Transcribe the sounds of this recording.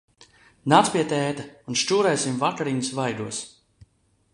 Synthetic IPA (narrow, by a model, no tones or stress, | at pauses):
nat̪spiɛt̪ɛːt̪aunʃt͡ʃuːɾɛjsimvakaɾiːnəsvajd̪uɔs